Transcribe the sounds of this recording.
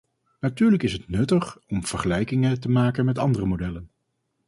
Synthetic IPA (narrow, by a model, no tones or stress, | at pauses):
natyːɹləkɪsɦətnɵtəχɔmv̥əɹχəlɛjkɪŋətəmaːkənmɛtɑndərəmodɛlən